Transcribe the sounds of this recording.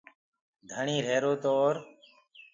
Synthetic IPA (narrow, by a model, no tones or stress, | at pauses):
d̪ʱəɳĩːɾeːɾoːt̪oːɾ